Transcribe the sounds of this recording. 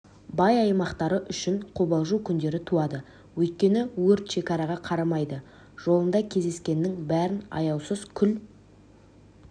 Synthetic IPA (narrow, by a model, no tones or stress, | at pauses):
bɑjɑjmɑqt̪ɑɾəʔʏʃɪɴqʰobɑlˠʒukʲʰʏnd̪e̞ɾɪt̪ʰuɑd̪ə | wɵjt̪̚kʲe̞nɪwɵɾt̪ʃe̞kʲɑɾɑʁɑqʰɑɾɑmɑjd̪ə | ʒ̥o̞lˠənd̪ɑkʲʰe̞zd̪e̞skʲe̞nːɪŋbæɾɪnɑ̰jɑwsəzkʲʰʏl